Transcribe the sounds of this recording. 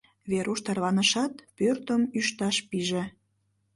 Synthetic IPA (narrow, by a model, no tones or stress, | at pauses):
βeɾʔuʃt̪ɑrβɑnəʃɑt̪pørt̪əmyʃt̪ɑʃpiʒe